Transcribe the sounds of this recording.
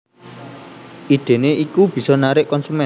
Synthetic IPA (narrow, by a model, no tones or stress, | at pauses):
ʔid̪̥e̤neʔikub̥i̤sɔnaɾɪʔkɔnsumɛ